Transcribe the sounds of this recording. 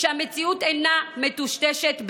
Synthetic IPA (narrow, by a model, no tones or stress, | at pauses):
ehamet͡siut̪enamet̪uʃt̪ɛʃet̪b